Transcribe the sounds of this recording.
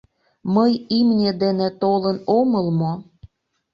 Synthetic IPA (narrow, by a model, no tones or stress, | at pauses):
məjimnʲed̪enĕt̪olənoməlmo